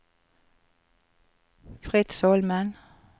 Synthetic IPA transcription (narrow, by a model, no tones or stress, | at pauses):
fʁɪt̪soːlmɑn